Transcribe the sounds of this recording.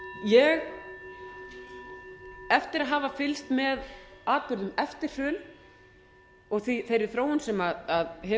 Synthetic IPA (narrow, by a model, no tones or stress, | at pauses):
jɛɣ | ɛft̪ɪɾaðɦaːvafɪlst̪mɛðaːt̪̚pʏɾðʏmɛft̪ɪɾ̥fʏːl | ɔɣθiθejɾɪθɾoːwʏnsɛmaðaðhɛ